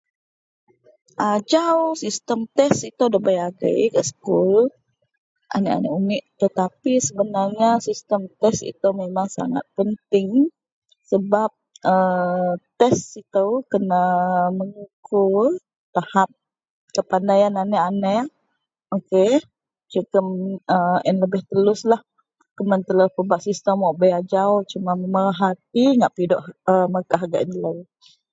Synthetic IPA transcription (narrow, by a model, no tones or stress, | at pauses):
ʔad͡ʒawsist̪əmt̪ɛsit̪əwdəbajaɡə̰jkəsə̥kul | ʔa̰nəʔa̰nəunɪʔt̪ət̪apisəbənarɲasist̪əmt̪ɛsḭt̪əwmemaŋsa̰ŋa̰t̪̚pənt̪ɪŋ | səbap̚ət̪ɛsit̪əwkənəməŋukʰu | t̪ahap̚ | kəpandajananəanə | oke | t͡ʃəkəməanləbɪht̪əlʊslah | kəmənt̪əlahpəbaʔsist̪əmɔʔbəjad͡ʒawt͡ʃumaməməɾaɦat̪̚iŋaʔpidɔʔəməkaɦaɡa̰ʔinla